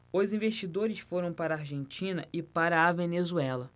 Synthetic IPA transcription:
ozĩveʃt͡ʃid̪oɾɪsfoɾɐ̃w̃paɾaːɾʒẽnt͡ʃĩnɐʔɪpaɾɐːvenezuɛlɐ

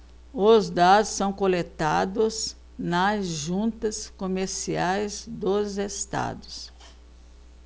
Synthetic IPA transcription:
ozd̪ad̪ʊsːɐ̃w̃kolet̪ad̪ʊz | nɐzʒũnt̪ɐskomeɾsiajzd̪ozest̪a̰d̪ʊs

